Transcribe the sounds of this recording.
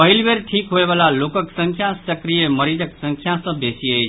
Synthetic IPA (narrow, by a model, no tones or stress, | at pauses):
pɐɦɪlʋeːɾʈʰiːkɦoeʋaːlaloːkəksə̃ŋkʰjãsɐkɾijemɐɾid͡ʒəksɐ̃ŋkʰjãsɐ̃beːsiəe